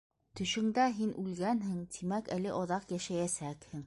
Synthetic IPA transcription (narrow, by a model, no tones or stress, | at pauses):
t̪ɵ̆ʃɵ̆ŋd̪æɦinʔʉlɡænɦɘŋt̪ʰimækælɘʔɒðɑqjæʃæjæsækhɘŋ